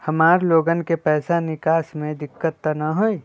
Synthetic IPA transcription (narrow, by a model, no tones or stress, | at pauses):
hɐmaːɾloːɡənkepɛːsanɪkaːsmẽd̪ɪkːət̪ːanaɦoi